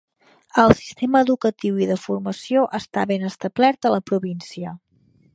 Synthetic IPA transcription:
əlˠsi̥st̪eməːðukət̪iwiðəfurməsioʔəst̪aβenəst̪əblɛrt̪ələpɾuβinsiə

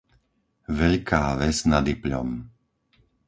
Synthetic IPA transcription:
ʋɛʎkʰaːʋɛznad̪ipʎɔ̰m

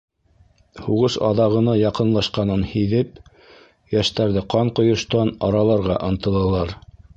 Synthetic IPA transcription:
huʁɤʃɑ̰ðɑʁɤ̆nɑjɑqɤ̆nlˠɑʃqɑnɤnhiðɘp | jæʃt̪æɾðɘqɑɴqŏjŏʃt̪ɑnɑɾɑlˠɑɾʁɑʔɤ̆nt̪ɤ̆lˠɤ̆lˠɑɾ

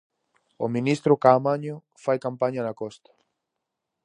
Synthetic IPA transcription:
ominist̪ɾʊkamaɲʊ | fajkampaɲanakɔst̪ḁ

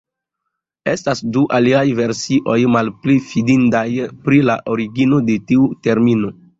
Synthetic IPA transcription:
e̞stasduʔaliajve̞ɾsiʔo̞jmalplifidindajpɾilaʔo̞ɾiɡino̞de̞tiute̞ɾmino̞

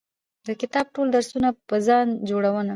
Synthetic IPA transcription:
d̪əkɪt̪ɑb̚ʈold̪aɾsunapəzɑnd͡ʒoɽawəna

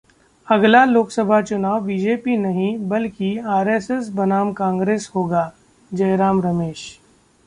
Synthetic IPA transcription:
ɐɡlaloːksəbʱat͡ʃʊnaːʋːiːd͡ʒeːpinɐɦĩbɐlkiaːɾeːses̬bɐnaːmkãːŋɡɾeːshoːɡaː | d͡ʒɐjɾaːmɾɐmeːʃ

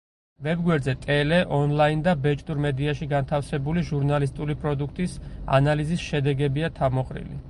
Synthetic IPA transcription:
vɛbɡwɛɾd̪zɛt̪ʼɛlɛʔɔnlˠaind̪abɛt͡ʃʼt̪ʼuɾmɛd̪iaʃiɡant̪ʰafsɛbuliʒuɾnalis̬t̪ʼulipʼɾɔd̪uk̚ʰt̪ʼisa̰nalizisʃɛd̪ɛɡɛbiat̪ʰamɔqʼɾḭlḭ

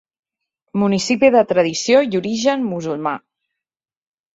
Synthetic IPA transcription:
munisipiðət̪ɾəðisijouɾiʒənmuzulˠma̰

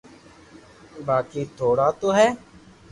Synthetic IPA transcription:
baːkiːt̪ʰoːɽaːt̪oːɦɛː

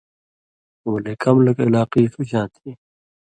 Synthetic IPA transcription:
wleːkɐmlɐkɪlaːqiːsuɕãːt̪ʰiː

